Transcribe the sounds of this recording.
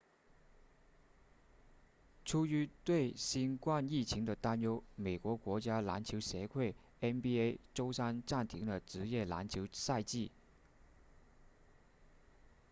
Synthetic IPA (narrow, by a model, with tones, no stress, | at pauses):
ʈ͡ʂʰu˥y˧˥t̪we˥˩ɪɕi˥nkwa˥˧ni˥˩t͡ɕʰi˧˥ŋd̪ə˧t̪a˥njo˥ʊme˨˩ɪkwɔ˧˥kwɔ˧˥t͡ɕja˥la̰˧˥nt͡ɕʰjo˧˥ʊɕjɛ˧˥kʰwe˥˩ɪ | ɛ˥npi˥e˥ɪʈ͡ʂo˥ʊsa˥nʈ͡ʂa˥˩nt̪ʰi˧˥ŋd̪ə˨ʈ͡ʂɻ̩˧˥jɛ˥˩la̰˧˥nt͡ɕʰjo˧˥ʊsa˥˧ɪt͡ɕi˥˩